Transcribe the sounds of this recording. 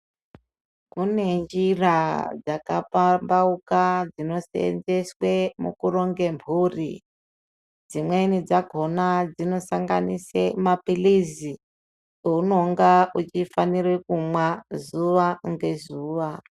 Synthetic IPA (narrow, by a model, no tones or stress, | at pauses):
kune̞nd͡ʒirad͡zakapambaukad͡zino̞sḛḛnd͡zeswe̞mṵkuro̞ŋɡe̞mbʱuːrḭ | d͡zimwenid͡zaɡʱo̞nad͡zino̞saŋɡa̰nisemapilizi | uno̞ŋɡaut͡ʃifanirwekumwazuʋaŋɡe̞zuːʋa